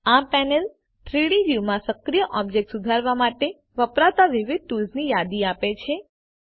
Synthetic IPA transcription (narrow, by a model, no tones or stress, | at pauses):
apɛnel | ʈʰɾiɽid͡ʒiʋmãsəkɾijəʔɔb̚d͡ʒek̚ʈsud̪ʱaɾʋamaʈe | ʋəpɾat̪aʋɪʋɪd̪̚ʈulznijad̪iapet͡ʃʰe